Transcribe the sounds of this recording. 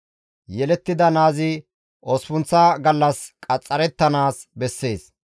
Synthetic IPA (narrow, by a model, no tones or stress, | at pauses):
jɛlɛt̪ːɪd̪ɐnaːzɪ | ɔspʊnt͡sːaɡɐlːɐskʼɐt͡sʼːɐɾɛt̪ːɐnaːsbɛsːe̞ːs